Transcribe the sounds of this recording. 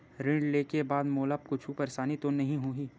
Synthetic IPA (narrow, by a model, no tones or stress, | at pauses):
ɾɪ̃ɳɖleːkebaːd̪moːləp̚kʊt͡ʃʰuːpəɾsaːnit̪onɐɦĩɦuiː